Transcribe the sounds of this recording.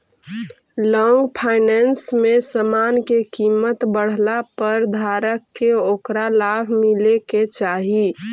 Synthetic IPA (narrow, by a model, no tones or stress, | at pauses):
lɔŋɡpʰaɪnɛnsmesəmankekimət̪bəɽ̤lapəɾd̪ʱaɾəkːeokɾalabʱmileket͡ʃaɦi